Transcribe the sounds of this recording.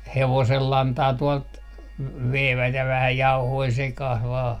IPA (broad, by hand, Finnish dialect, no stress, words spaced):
heʋoselːɑntɑː tuɔlt ʋeiʋæt jɑ ʋæhæ jɑuhoi sekɑh ʋɑː